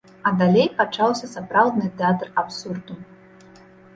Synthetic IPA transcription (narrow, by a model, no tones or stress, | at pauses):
ɐd̪alʲejpat͡ʂawsʲɐsapɾawd̪nɨt̪ɛat̪rapsurd̪u